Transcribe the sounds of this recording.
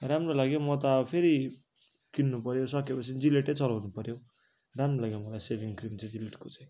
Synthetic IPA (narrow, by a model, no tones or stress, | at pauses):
ɾamrolaɡjomʌt̪ʌpʰeɾi | kinːupʌɾjosʌkepʌt͡sʰind͡zileʈʌjt͡sʌlawnupʌɾjo | ramrolaɡjomʌlajsebʱiŋkrimt͡sʌj̃d͡zileʈkot͡sãj̃